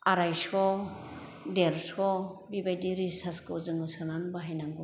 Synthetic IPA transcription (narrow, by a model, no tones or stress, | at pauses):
aɾajsɔ | deɾsɔbibajdiɾisaskɯuzɯŋɯsɯnanbaɦajnaŋɡɔ